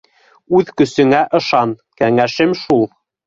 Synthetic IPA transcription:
ʉðkɵ̆sɵ̆ŋæʔɤ̆ʃɑnkæŋæʃɘmʃulˠ

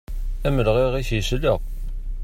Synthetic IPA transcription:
æməlʁiʁiçsləʁ

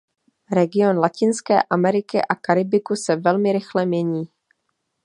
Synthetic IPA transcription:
ɾɛɡɪo̞nlacɪnskɛ̰ːʔamɛɾɪkɪ̰ʔakaɾɪbɪkusɛvɛlmɪɾɪxlɛmɲɛɲiː

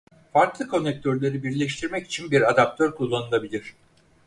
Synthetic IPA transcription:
faɾklˠɯkʰo̞nːɛc̚t̪ʰøɾlʲe̞ɾibiɾlʲɛʃt̪ʰiɾmɛci̥t͡ʃʰinbiɾad̪ap̚t̪ʰøɾkʰulˠːanulˠabilʲiɾ̝̥

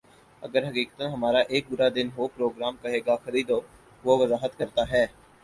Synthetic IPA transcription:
ɐɡəɾɦɐkiːkət̪ənɦɐmaːɾaʔeːk̚bʊɾad̪ɪnɦoːpɾoːɡɾaːmkɐɦeːɡaxɐɾiːd̪o | ʋoʋəzaːɦət̪kɐɾt̪aɦɛː

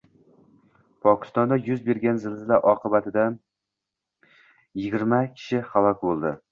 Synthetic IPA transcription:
pʰɒkʲʰɪ̥st̪ɒnd̪ajʊzbe̞ɾɡʲanzɪlzɪlaɾʔɒqɨbat̪ʰɪd̪a | jɪɡʲɪɾmakʲʰɪ̥ʃɪχalˠɒkʲbolˠd̪ɪ

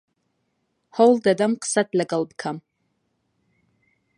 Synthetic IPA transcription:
howld̪ad̪amqʰsat̪̚ʰʼlaɡalbkʰam

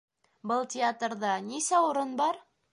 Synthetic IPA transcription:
bɤlˠtʲɪat̪rðɑnisæʊɾɤnbɑɾ

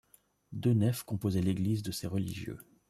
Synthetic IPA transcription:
d̪ønɛfkɔ̃pozɛleɡlizd̪əseʁəlḭʒjø̰

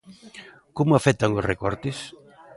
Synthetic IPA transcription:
komʊafɛt̪aŋosrekɔɾt̪ɪs

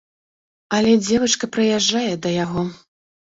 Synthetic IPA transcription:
ɐlʲɛd͡zʲɛvɐt͡ʂkɐpɾɨjaʐːajɛd̪ɐjaɣɔ

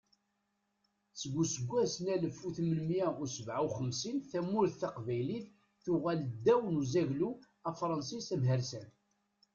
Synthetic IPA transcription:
t͡sːəɡʷːusəɡʷːæsnæləfuθməlmjæʊɾsəvʕawχəmsinθæmʊɾθθɑqvæjliθ | θʊʁæld̪ːæwənuzæʝlu | æfɾˤɑnsisæmɦəɾsæn

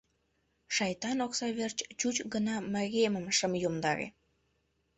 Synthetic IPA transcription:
ʃɑjt̪ɑnoksɑβert͡ɕt͡ɕut͡ɕɡənɑməɣeməmʃəmjomd̪ɑ̰ɣḛ

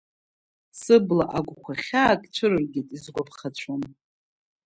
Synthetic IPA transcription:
sɨblaʔaɡʷkʷʰaχʲaːkʼt͡ɕʷʰɨɾɨrɡʲitʼizɡʷapʰχat͡ɕʷʰom

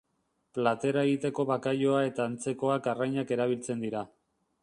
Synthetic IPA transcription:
plat̪e̞ɾae̞ɣit̪e̞ko̞βakajo̞ae̞t̪aːnt͡se̞ko̞akarajɲake̞ɾaβ̞ilt͡se̞nd̪iɾa

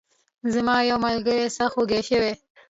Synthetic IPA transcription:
zamɑjawmalɡəɾesaxoɡeʃəwe

